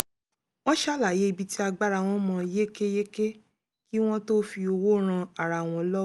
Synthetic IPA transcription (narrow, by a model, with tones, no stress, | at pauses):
wɔ̃˦ʃa˦˨la˨je˨˦i˧bi˧ti˦a˧ɡ͡ba˦ɾa˧w̃ɔ̃˦mɔ̃˧˦je˦ke˦je˦ke˦ | ki˦w̃ɔ̃˦to˦fi˧o˧wo˦ɾ̃ã˧a˨ɾa˧˨w̃ɔ̃˧˦lɔ˦